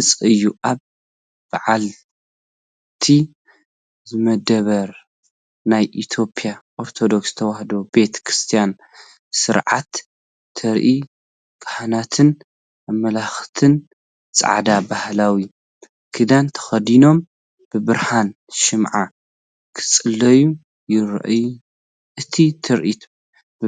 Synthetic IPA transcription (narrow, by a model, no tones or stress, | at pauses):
ɨt͡sʼɨjːuʔaβ | b̥aʕal | ɨt̪ʰi | zɨmɐd̪ɐβɐɾ | najʔit̪ʰjo̞pʰijaʔo̞ɾt̪ʰo̞d̪o̞kst̪ʰɐwahd̪o̞be̞t̪kʰɾɨst̪ʰijan | sɨɾʕa̰t̪ːʰ | ɐɾʔi | ɡ̥ahanat̪ʰɨn | amɐlaxt̪ʰɨn | t͡sʼa̰ʕad̪abahlawi | kʰɨd̪ant̪ʰɐ̥xɐd̪ino̞m | b̥ɨbɨɾhan | ʃɨmʕa | kʰɨ̥t͡sʼɨlːɐju | jɪɾʔɨju | ʔɨt̪ʰit̪ʰɨɾʔit̪ʰ